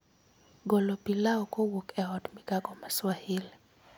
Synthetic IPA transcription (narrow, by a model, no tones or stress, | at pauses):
ɡɔlɔpilaɔkowokɛɔtmiɡaɡɔmaswahil